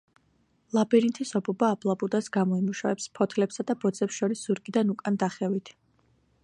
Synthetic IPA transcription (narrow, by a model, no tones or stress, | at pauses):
lˠabɛɾint̪ʰisɔbʰɔbaːblˠabud̪asɡamɔimuʃavɛpspʰɔt̪ʰlɛpsad̪abɔd̪zɛpsʃɔɾisz̥uɾɡʼid̪anukʼand̪aχɛvit̪ʰ